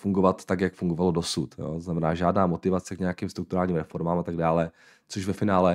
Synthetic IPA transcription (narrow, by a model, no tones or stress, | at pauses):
fuŋɡovat̪ːakjakfuŋɡovalodo̞sut̪jo̰ːt̪oznamɛnaːʒaːdnaːmot̪ɪvat͡sɛkɲɛjakiːmst̪ɾukt̪uɾaːlɲiːmɾɛfo̞ɾmaːmat̪aɡ̚daːlɛ | t͡soʒvɛfɪnaːlɛ